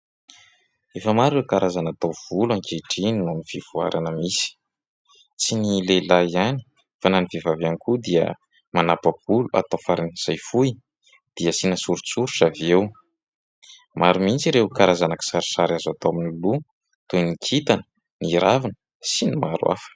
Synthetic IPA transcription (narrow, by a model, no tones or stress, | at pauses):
efəmaɾewkaɾazanat̪owv̥ulaŋkeʈ͡ʂininuniv̥ivua̰ɾʔanəmisi̥ | t͡sinilelaiani̥ | fananivevavanikud̪iə̰ | manapab̥ulua̰t̪afaɾiniz̥ajfuj | d̪̥iəsinasuɾut͡suɾuʈ͡ʂavew | maɾumint͡siɾekaɾazanaki̥saɾi̥saɾazat̪oaminulu | t̪unikʰit̪anə̥ | niɾavinə̥ | sinimaɾwa̰fə̥